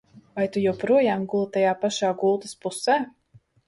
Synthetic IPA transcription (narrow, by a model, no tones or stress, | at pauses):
vajt̪ujawpɾuɔjaːmɡulˠt̪ajaːpaʃaːɡulˠt̪ɨ̥spusɛː